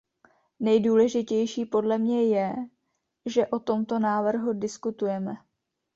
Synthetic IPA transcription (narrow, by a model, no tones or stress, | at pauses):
nɛjduːlɛʒɪcɛjʃiːpo̞dlɛmɲɛjɛ | ʒɛʔo̞t̪o̞mt̪o̞naːvr̩ɦudɪskut̪ujɛmɛ